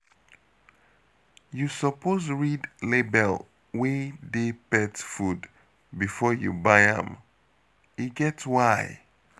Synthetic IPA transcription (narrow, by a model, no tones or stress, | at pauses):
jusɔpʰozɹidlebɛl | wedepɛtfud | bifɔjṵbaɪã̰m | iɡɛtswaɪ